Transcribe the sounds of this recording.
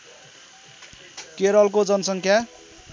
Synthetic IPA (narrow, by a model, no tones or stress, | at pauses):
keɾʌlkod͡zʌnʌsʌŋkʰja